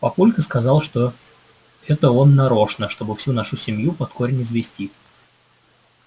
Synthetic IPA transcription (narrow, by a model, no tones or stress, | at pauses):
pɐpulʲkəskɐzɑlˠʂt̪o̞ | ɛt̪əo̞nːɐɾo̞ʂnəʂt̪o̞bɨfsʲunaʂʊsʲɪmjupɐt̪koɾʲnʲɪzvʲɪsʲtʲi